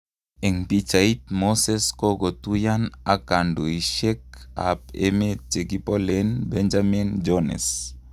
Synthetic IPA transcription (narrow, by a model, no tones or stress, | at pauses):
eŋpit͡ʃait̪̚moseskoɡot̪ujanakandoiʃek̚a̰pḛmet͡ʃeɡipolenbend͡ʒamind͡ʒonḛs